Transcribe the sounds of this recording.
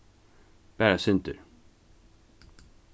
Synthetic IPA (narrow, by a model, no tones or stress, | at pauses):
b̥æːɾasʏnt̪ə̰ɾ